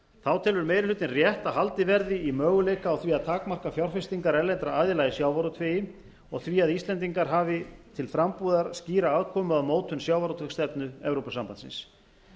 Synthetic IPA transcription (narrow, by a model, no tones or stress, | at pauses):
θawt̪ʰɛːlvʏɾmeːjɾɪlʏːt̪ɪnrjɛht̪aɦalt̪ɪvɛɾðɪimœːɣʏleːjkaːwθviaðt̪ʰaːkmar̥kafjawr̥fɪst̪iŋkaɾɛlɛnt̪ɾaaːðɪlajɪsjaːwvaɾut̪ʰveːjɪ | ɔɣθviaðist̪lɛnt̪̬iŋkaɾɦaːvɪt̪ʰɪlfɾampuːðaɾ̥sciːɾaaðkʰɔːmʏaðmoːwt̪hʏnsjaːwvaɾut̪ʰvɛkst̪ɛpnʏɛvɾowpasampant̪sɪ̰ns